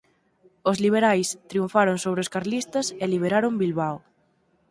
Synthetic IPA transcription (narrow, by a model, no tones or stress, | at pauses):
ozliβ̞eɾajst̪ɾiuɱfaɾoŋsoβɾeoskaɾlist̪ɐseliβ̞eɾaɾombilβaw